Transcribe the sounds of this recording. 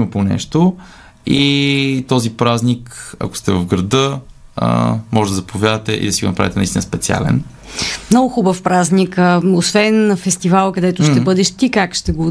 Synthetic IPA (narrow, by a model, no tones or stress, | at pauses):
mɐponɛ̰ʃt̪o | it̪ɔzipɾaznikɐ̰ko̥st̪ɛvɐvɡɾɐd̪ɤə̰mɔʒɛd̪d̪ɐəzɐpʰovʲjad̪ət̪ɛʔḭd̪ɐsiɡo̰nɐpɾavit̪ɛnɐist̪inspɛt̪sia̰lɛ̰n | mnɔɡʊxubəfpɾaznikəosvɛnfɛst̪ivalˠkɐd̪ɛt̪ʊʃt̪ɛbɤd̪ɛʃt̪ikakʃt̪ɛɡo